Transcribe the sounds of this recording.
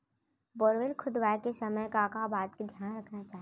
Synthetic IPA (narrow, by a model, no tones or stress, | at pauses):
boːɾʋɪlkʰʊd̪ʋaːjkesɐməjkaːkabaːt̪kid̪ʱjaːnɾɐkʰnat͡ʃaːɦ